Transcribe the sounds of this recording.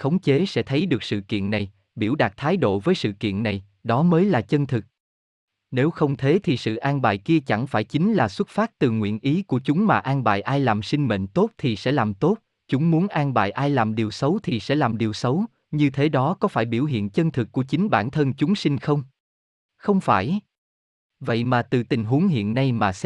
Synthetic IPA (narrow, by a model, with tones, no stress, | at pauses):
xə˨˦wŋ͡mt͡ɕe˨˦sɛ̰˧˥t̪ʰə˨˦jɗɨ˨˩ək̚sɨ̰˧˨kḭ˧˨ənːa˨˩j | ɓi˧˩əwɗa˨˩k̚t̪ʰaː˨˦jɗo̰˧˨vəː˨˦jsɨ̰˧˨kḭ˧˨ənːa˨˩j | ɗɔ˨˦məː˨˦jlaː˨˩t͡ɕə˧nt̪ʰɨ˨˩k̚ | ne˨˦wxə˧wŋ͡mt̪ʰe˨˦t̪ʰi˨˩sɨ̰˧˨ʔaː˧nɓa̰ː˧˨jki˧ət͡ɕa˧˩ŋfaː˧˩jt͡ɕï˨˦ŋ̟laː˨˩swə˦˥t̚faː˦˥t̚t̪ɨ˨˩ŋwḭ˧˨ənʔi˨˦ku˧˩ət͡ɕʊ˨˦ŋ͡mmaː˨˩ʔaː˧ŋɓa̰ː˧˨jʔaː˧jlaː˨˩msi˧ŋ̟mḛ˧˨nt̪o˦˥t̚t̪ʰi˨˩sɛ̰˧˥laː˨˩mt̪o˦˥t̚ | t͡ɕʊ˨˦ŋ͡mmu˨˦ənʔaː˧ŋɓa̰ː˧˨jʔaː˧jlaː˨˩mɗi˨˩əwsə˨˦wt̪ʰi˨˩sɛ̰˧˥laː˨˩mɗi˨˩əwsə˨˦w | ɲɨ˧t̪ʰe˨˦ɗɔ˨˦kɔ˨˦faː˧˩jɓi˧˩əwɦḭ˧˨ənt͡ɕə˧nt̪ʰɨ˨˩kːu˧˩ət͡ɕï˨˦ŋ̟ɓa̰ː˧˩nt̪ʰə˧nt͡ɕʊ˨˦ŋ͡msï˧ŋ̟xə˧wŋ͡m | xə˧wŋ͡mfaː˧˩j | və̰˧˨jmaː˨˩t̪ɨ˨˩t̪ï˨˩ŋ̟ɦu˨˦ŋɦḭ˧˨ənːa˧jmaː˨˩s